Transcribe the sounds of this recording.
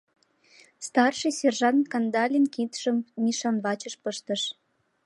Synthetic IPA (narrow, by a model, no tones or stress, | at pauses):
st̪ɑrʃisʲerʒɑnkɑnd̪ɑlʲinkit̪ʃəmːiʃɑnβɑt͡ɕəʃpəʃt̪əʃ